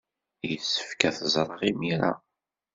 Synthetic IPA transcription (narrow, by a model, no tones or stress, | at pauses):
jəsːə̥fkæθəzˤɾˤəʁimiɾa̰